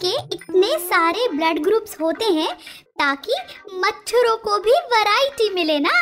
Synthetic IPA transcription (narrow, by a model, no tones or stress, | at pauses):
keɪt̪nesaːɾeblɐɖɡɾuːpsɦoːt̪eɦɛ̃t̪aːkimɐtʰːʊɾõkobʱiʋɐɾaːɪʈimɪlenaː